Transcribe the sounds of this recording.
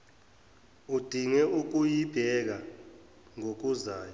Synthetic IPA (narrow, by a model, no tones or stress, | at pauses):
ud̥ʱiŋɛʔuk̬ujib̥ʱɛk̬a | ŋok̬uzaːjɔ